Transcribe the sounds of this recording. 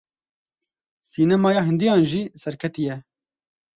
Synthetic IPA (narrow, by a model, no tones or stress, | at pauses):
siːnɛmɑːjɑːɦɨnd̪ijɑːnʒiːsɛɾkʰɛt̪ijɛ